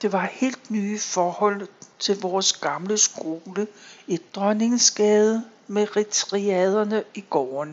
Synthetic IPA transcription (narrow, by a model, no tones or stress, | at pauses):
d̥e̝ʋɑ̈he̝̰ːld̥nyːfɒːhɒ̽l̰t͡sʰe̝lʋɒːsɡ̥ɑ̈mləsɡ̥o̝ːləed̥̚ːʁɶne̝ŋsɡ̥ɛːð̞ˠ | meʁit͡sʰʁiɛð̞ˠɐnəiɡ̥ɒːn